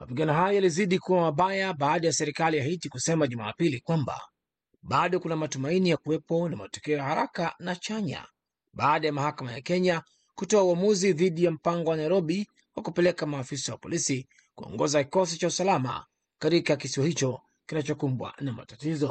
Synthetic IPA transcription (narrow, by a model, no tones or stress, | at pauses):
mapiɠanɔɦajɔjaliziɗikuwamaɓajaɓaːɗajasɛɾikaliaɦitikusɛmaʄuma̰ːpilikwamba̰ | ɓaɗɔkunamatumainijakuwɛpɔnama̰tɔ̥kɛɔjahaɾakanat͡ʃaɲa̰ | ɓaːɗajamahakamaja̰kɛɲa | kutɔauwamuziðiɗijam̩paŋɡɔwanaiɾɔɓi | wakupɛlɛkamaːfisawa̰pɔ̰lisi | kuɔ̰ŋɡɔzakikɔs̬it͡ʃausalama̰ | katikakisiwahit͡ʃɔ | kinat͡ʃɔkumbwa̰nama̰tatizɔ